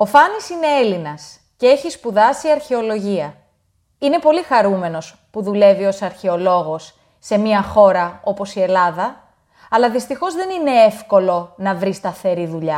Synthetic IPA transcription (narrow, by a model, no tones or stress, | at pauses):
o̞fɐnisine̞e̞linɐs | ce̞e̞çispuðɐsiɐɾçe̞o̞lo̞ʝiɐ | ine̞po̞lixɐɾume̞no̞s | puðule̞vio̞sɐɾçe̞o̞lo̞ɣo̞sː | e̞miɐxo̞ɾɐo̞po̞sie̞lɐðɐ | ɐlɐðist̪ixo̞zðe̞nine̞efko̞lo̞nɐvɾist̪ɐθe̞ɾiðuʎɐ